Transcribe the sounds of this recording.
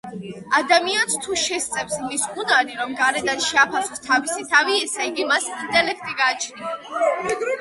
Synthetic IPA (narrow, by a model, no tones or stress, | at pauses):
ad̪amianst̪ʰuʃɛst̪sʼɛpsmisunaɾiɾɔmɡaɾɛd̪anʃɛapʰasɔ̥st̪ʰavisit̪ʰaviɛsɛiɡimasint̪ʼɛlɛk̚ʰt̪ʼiɡaːt͡ʃʰnia